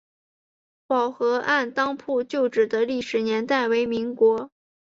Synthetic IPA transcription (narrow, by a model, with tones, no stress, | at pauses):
pɑ˨˩ʊxɤ˧˥ʔa˥˩˧nt̪ɑ˥ŋpʰu˥˧t͡ɕjo˥˩ʊʈ͡ʂɻ̩˨˩d̪ə˦li˥˩ʂɻ̩˨˩njɛ˧˥nt̪a˥˩ɪwe˧˥ɪmi˧˥ŋkwɔ˧˥